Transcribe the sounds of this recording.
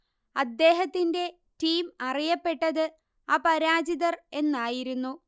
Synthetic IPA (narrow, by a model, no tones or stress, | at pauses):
ɐd̪ːe̞ːɦɐt̪ːinde̞ | tiːmɐrijɐpːe̞ʈːɐðɨ | aːpɐɾaːd͡ʑiðɐre̞nːaːjiɾunːu